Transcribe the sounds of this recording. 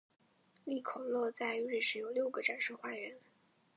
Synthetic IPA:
li˥˩kʰo˨˩ʊlwɔ˥˧t͡sa˥˧ɪ˧˥ɻi˥˩ʂɻ̩˧˥jo˨ʊljo˥˩ʊɡə˩ʈ͡ʂa˨˩nʂu˥˧xwa˥˩ɥɛ˧˥n

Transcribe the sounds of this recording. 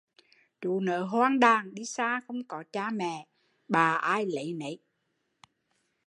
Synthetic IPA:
ɗṵ˧˨˦nəː˨˦ɦwaː˧ŋɗaː˨˩ŋɗi˧saː˧xə˧wŋ͡mkɔ˨˦t͡ɕaː˧mɛ̰˧˨ | ɓaː˨˩ʔaː˧jlə̰˨˦jnə̰˨˦j

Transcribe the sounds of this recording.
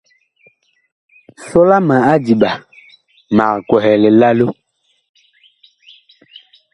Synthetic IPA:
sɔ˦la˦mã˨a˦di˨ɓa˨ | ma˨ɾkwɔ˨ɦɛ˨le˨la˦lo˦

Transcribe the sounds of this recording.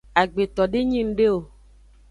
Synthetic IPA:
a˨ɡ͡be˨t̪ɔ˨ɖe˦ɲĩ˦˨m̩˦ɖe˦wo˨

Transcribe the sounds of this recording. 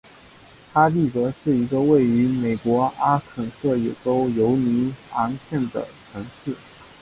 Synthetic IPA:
tʰa˥li˥˩t̪ɤ˧˥ʂɻ̩˥˩i˧˥ɡə˧we˥˩ɪy˧˥me˨˩ɪkwɔ˧˥a˥kʰə˨˩nʂɤ˥˩jɛ̰˨˩ʈ͡ʂo˥ʊjo˧˥ʊni˧˥a˧˥ŋɕʰjɛ˥˩nd̪ə̰˩ʈ͡ʂʰɤ˧˥ŋʂɻ̩˥˩

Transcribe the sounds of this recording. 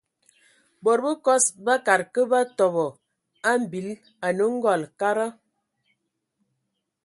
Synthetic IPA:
bo˨ɾbə˦kɔ˦sba˦ka˨ɾkə˦ba˦tɔ˨bɔ˨ | a˦m̩˨bi˨˦l | a˨nə˦ŋ̩˦ɡɔ˦˨lka˦ɾa˦

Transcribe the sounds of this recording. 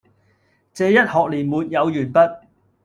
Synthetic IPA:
t͡sɛː˧jɐ˥t̚hɔː˨k̚liː˨˩nmuː˨t̚jɐ˨˧wjyː˨˩npɐ˥t̚

